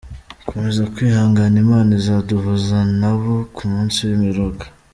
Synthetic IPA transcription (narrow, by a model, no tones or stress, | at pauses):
komezakwiːhaːŋɡanimaːnizaduɦuzanaβokumuːnsiwimiɾoɡa